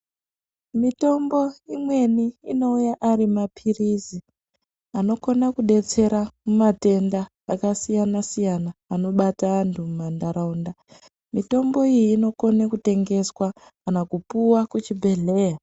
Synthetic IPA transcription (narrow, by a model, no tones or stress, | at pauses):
mito̞mbo̞imwe̞niːno̞ujaʔaɾimapʰirizi | ano̞ko̞nakuɗe̞t͡se̞ɾamumate̞ndaː | kasijanasijanaːno̞ɓataːntʰumumandaɾaunda | mito̞mbo̞ijiːno̞konekute̞ŋɡe̞swakanakupuwakut͡ʃibʱe̞ɮe̞ja